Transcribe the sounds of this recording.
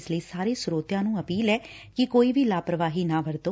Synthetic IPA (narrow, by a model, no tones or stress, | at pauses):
sləiːsaːɾeːsʊɾoːt̪jãːnũːəpiːlɛː | kɪkoːiːʋʱiːlaːpɾəʋaːɦiːnãːʋəɾd̪oː